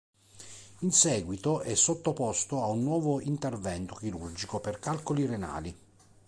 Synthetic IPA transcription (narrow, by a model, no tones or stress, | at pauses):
insɛːɡwit̪oʔɛsːot̪ːopɔst̪oaunːwɔːvoint̪ervɛnt̪ok̟iɾurd͡ʒikoperkalkoliɾena̰ːli